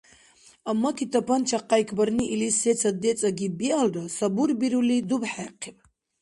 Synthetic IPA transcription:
amːakʰit̪ʰapʰant͡ʃʰaqajkʰbəɾniʔilisɛt͡sʰad̪ɛt͡sʼaɡibialɾasabuɾbiɾulid̪ubħɛqʰɛb

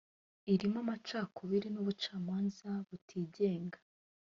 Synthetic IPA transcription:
iɾimamat͡ʃaːkʰoβiɾinuβut͡ʃaːmaːnzaβutʰiːɟe̞ːŋɡa

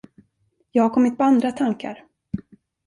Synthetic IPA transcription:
jɑːɡhaɾkʰɔmːɪt̪̚pʰɔand̪ɾat̪ʰaŋka̰ɾ

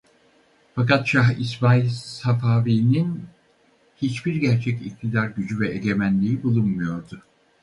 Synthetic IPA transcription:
fakat̪ʃaɦisbajsafaːviːnin | hit͡ʃbiɾɟæɾt͡ʃʰɛcic̚t̪ʰid̪aɾɟyd͡ʒyvɛeɟʲe̞mænlʲiibulˠunmujo̞ɾd̪ʊ

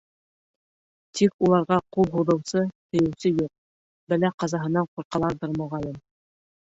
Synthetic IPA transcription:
t̪ʰikulˠɑɾʁɑqulˠɦuðɤ̆wsɤt̪ɵ̆jɘ̆wsɘjuq̚ | bælæqɑzɑɦɤ̆nɑɴquɾqɑlˠɑɾðɤɾmɵ̆ʁɑlʲɘm

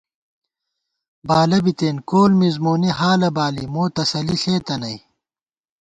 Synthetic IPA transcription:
baːlɐbit̪eːnkoːlmizmoːniɦaːlɐbaːlimoːt̪ɐsɐliɬeːt̪ɐnɐj

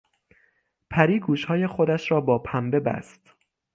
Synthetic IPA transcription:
pʰæɾiːɡuːʃhɒːje̞xod̪æʃɾɒːbɒːpʰæmbe̞bæ̰st̪

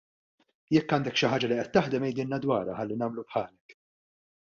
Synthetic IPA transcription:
jɛkːɐːnd̪ɛkʃɪħaːd͡ʒɐliʔɛt̪ːɐħd̪ɛmɛjd̪ɪlnɐd̪wɐːɾɐħɐlːinɐːmlupħɐːlɛk

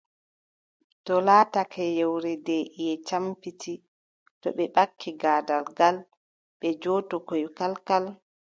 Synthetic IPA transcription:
tɔlaːtakʰɛjɛwɾɛdɛʔijɛt͡ʃampitʰi | tɔɓɛɓakʰːiɡaːdalɡal | ɓɛd͡ʒɔːtɔkɔjkalkal

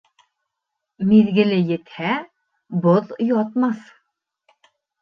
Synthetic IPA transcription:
miðɡɘ̆lɘjɘ̆t̪hæ | boðjɔt̪mɑθ

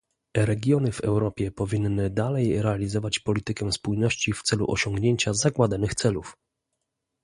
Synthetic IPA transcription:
ɾɛɡʲjɔnɘvɛwɾɔpʲjɛpɔvʲinːɘd̪alɛjɾɛalʲizɔvat͡ɕpɔlʲit̪ɘkɛspujnɔɕt͡ɕift̪sɛlṵʔɔɕɔŋɡɲeɲt͡ɕazaɡwad̪anɘxt̪sɛluf

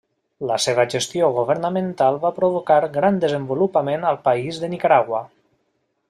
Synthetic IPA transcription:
ləseβ̞əʒəst̪ioɣ̞uβəɾnəmənt̪alˠβapɾoβ̞okaɾɡɾand̪əzəmbulupəmenəlˠpəizðənikaɾaɣwə

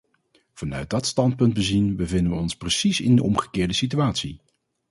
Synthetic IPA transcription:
v̥ɑnœɥt̚dɑtstɑnt̚pɵnd̚bəzinbəvɪndəʋəɔnsprəsisɪ̰ndəʔɔmχə̥kɪːɹdəsityaːtsi

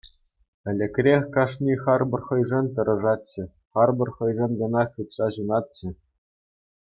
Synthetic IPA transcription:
ɘ̆lʲɘ̆kʲrʲexʲkɑʂnʲiχɑrbɤ̆rχɤ̆jʐɤ̆nʲt̪ɤ̆ɾʔɤ̆ʐɑt̪t͡ɕɘ̆ | χɑrbɤ̆rχɤ̆jʐɤ̆nɡɤ̆nɑut̪sɑʑunɑt̪̚t͡ɕɘ̆

